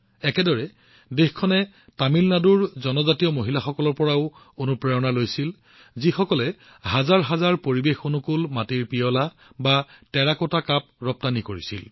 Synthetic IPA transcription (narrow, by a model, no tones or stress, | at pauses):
ɛkɛdɔɹɛ | dexkʰɔnɛ | tamilnaduɹzɔnɔzatijɔmoɦilaxɔkɔlɔɹpɔɹaʊ | konupɹɛɹɔnalojsil | zixɔkɔlɛ | hazaɹɦazaɹpoɹibexonukulmatiɹpijɔla | batɛɹakɔtakap̚ɹɔp̚tanikoɹisḭl